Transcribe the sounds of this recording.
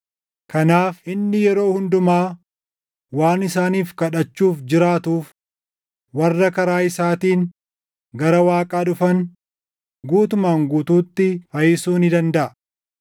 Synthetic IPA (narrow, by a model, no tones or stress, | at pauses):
kɐnaːfɪnːɪjɛɾo̞ːhʊnd̪ʊmaː | waːnɪsaːniːfkɐᶑɐt͡ʃːuːfd͡ʒɪɾaːt̪uːf | wɐrːɐkɐɾaːɪsaːt̪iːŋ | ɡɐɾɐwaːkʼaːᶑʊfɐn | ɡuːt̪ʊmaːŋɡuːt̪uːt̪ːɪfɐjɪsuːnɪd̪ɐnd̪ɐʔɐ